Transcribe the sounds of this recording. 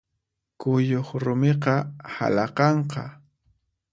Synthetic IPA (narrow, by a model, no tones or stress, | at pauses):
kʊjoχɾʊmeqɑha̰lɑqɑɴqɑ̰